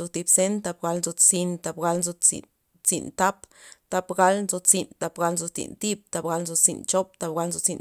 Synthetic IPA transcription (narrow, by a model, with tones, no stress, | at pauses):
zo˧t̪i˧bse˦nt̪a˧b̚ɡa˧lnzo˧t͡si˧nt̪a˧bɡa˧lnzo˧t͡sḭ˨n | t͡sḭ˧nt̪a˦pt̪a˧bɡa˧lnzo˧t͡si˨nt̪a˧pɡa˧lnzo˧t͡sḭ˨nt̪i˦b̚t̪a˧bɡa˧lnzo˧t͡sḭ˧nt͡ʃo˦p̚t̪a˧pɡa˧lnzo˧t͡si˧n